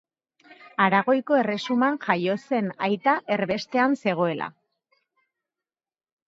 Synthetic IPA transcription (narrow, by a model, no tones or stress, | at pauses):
aɾaɣo̞jko̞e̞re̞sumanʝajo̞se̞najt̪aʔe̞ɾβe̞st̪e̞anse̞ɣ̞o̞e̞la̰